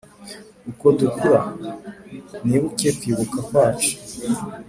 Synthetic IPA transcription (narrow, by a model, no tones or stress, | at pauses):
ukotukuɾa | niβukekiβukakwaːt͡ʃi̥